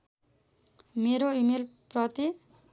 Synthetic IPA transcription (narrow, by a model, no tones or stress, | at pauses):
meɾoimelprʌt̪i